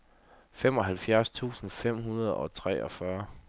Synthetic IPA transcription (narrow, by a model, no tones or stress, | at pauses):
fem̰ɒ̽ɦælfjæɐst͡sʰṵːsn̩fem̰ɦunɐðˠɒ̽t͡sʰʁɛ̰ːɒ̽fɶɐ